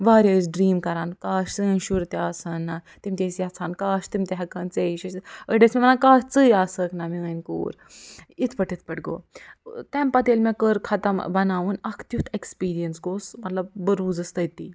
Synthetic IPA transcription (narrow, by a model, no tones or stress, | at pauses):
ʋaːɾʲeːz̬ɖɾiːmkɐɾaːnkaːʃt͡sɨnʃuɾt̪aːsɐnːat̪imt̪ʲesiɐt͡sʰaːnkaːʃt̪imt̪eɦɐkɐːnt͡seiʃiəɖesmʲemnaːkaːt͡sɨjaːsəːknɐmiənkṵːɾ | it̪ʰpɐʈit̪̚ʰpɐʈɡo̰ːt̪ɛmpɐt̪eːlmẽkəɾkʰɐt̪ɐmbɐnaːʋunɐkʰt̪jut̪ʰekspiːɾijɐnsɡoːsmɐt̪lɐb̚ːəɾuːd͡zɐst̪ɐjt̪iː